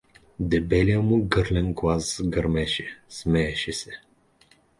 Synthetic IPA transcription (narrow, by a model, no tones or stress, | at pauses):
d̪ɛbɛlʲijəmʊɡɤɾlɛnɡlˠaszɡəɾmɛʃɛsmɛɛʃɛsɛ